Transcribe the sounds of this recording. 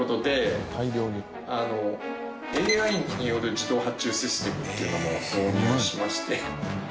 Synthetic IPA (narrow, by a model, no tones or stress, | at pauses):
ot̪o̞d̪e̞iɾʲoː | ano̞ | eaĩŋɲ̟ijo̞ɾɯ̟d͡ʑid̪o̞ːɦat͡ɕɨːɕisɨ̥t̪e̞mɯ̟t̪ːeiɯ̟nomo̞soːɲeẽɕimaɕi̥t̪e̞